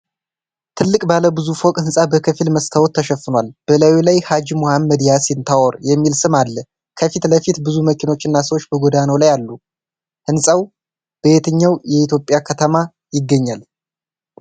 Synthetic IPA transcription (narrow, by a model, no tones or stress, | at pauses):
t̪ʰɨlːɨkʼbaləbɨzufokʼhɨnsʼabəkʰəfilməst̪ʰəwot̪ʰːəʃɛfɨnwalb̥əlawilajhad͡ʒmohamːəd̪ijasɪnt̪ʰaʔɔɾjɛmːilsɨmalːə | kʰəfit̪ləfit̪bɨzuməkino̞t͡ʃːɨnːasəwot͡ʃːbəɡod̪anəwlajalːu | hɨnsʼaw | b̥əet̪ʰəɲːawjɛit̪jopʼːjakʰət̪ʰəma | jɪɡːəɲːal